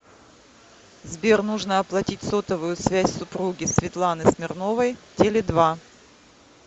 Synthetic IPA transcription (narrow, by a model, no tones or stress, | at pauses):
zbʲernuʐnəɐplˠɐtʲitʲso̞t̪əvʊjʊsvʲæsʲsʊpɾuɡʲɪsvʲɪt̪lˠanɨsmʲɪrno̞vəjtʲelʲɪd̪va